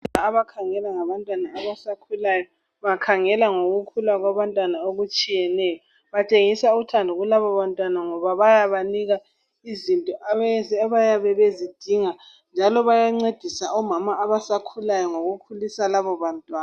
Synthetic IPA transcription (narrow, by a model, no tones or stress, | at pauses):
aβakʰaŋɛlaŋaβantʼwanaːβasakʰulajɔ | βakʰaŋɛlaŋoɣukʰulaɣwaβantʼwanaoɣut͡ʃʼijɛnɛːjɔ | βat͡ʃʼeŋisautʰandʱuɣulaβɔβantʼwanaŋɔβaβajaβaniɣa | izintʼɔʔaββajaβɛβezid̥ʱiŋa | nd͡ʒʱalɔβajaŋ͡ǀed̥ʱisaɔmamaːβasakʰulajɔŋoɣukʰulisalaβɔβantʼwaː